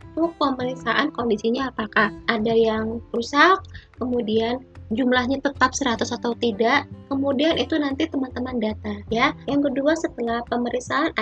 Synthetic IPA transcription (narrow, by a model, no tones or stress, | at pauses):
t̪opəməɾiksaʔankondisiɲaːpakahʔadajaŋɾusakːəmudiand͡ʒumlahɲat̪ət̪ap̚səɾat̪ʊsat̪awt̪idaʔkəmudianʔit̪unant̪it̪əmant̪əmandat̪ajajaŋkəduasət̪əlahpəməɾiksaan